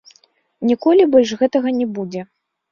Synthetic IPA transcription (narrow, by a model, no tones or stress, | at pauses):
nʲikɔlʲibɔlʲʐɣɛt̪ɐɣɐnʲɛbud͡zʲɛ